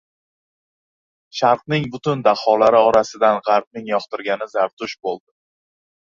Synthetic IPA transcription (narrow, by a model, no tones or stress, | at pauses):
ʃaɾqnɪŋbʊt̪ʊnd̪aχɒlaɾɪɒɾasɪd̪anʁɑɾp̚nɪŋjɒqt̪ɪɾɡʲanɪzaɾt̪ʰʊʃbolˠd̪ɪ